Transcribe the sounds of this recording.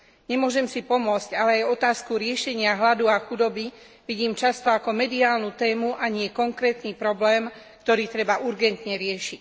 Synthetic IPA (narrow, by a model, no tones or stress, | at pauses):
ɲɛmʊɔʒɛmsipɔmʊɔt͡scalɛajɔt̪aːskuɾɪɛʃɛɲɪaɦlad̪uaxud̪ɔbi | ʋiɟiːmt͡ʃast̪ɔakɔmɛd̪iaːlnut̪ɛːmuʔaɲɪɛkɔŋkɾɛːt̪niːpɾɔblɛːmkt̪ɔɾiːt̪ɾɛbaʔuɾɡɛnt̪ɲɛɾɪɛʃic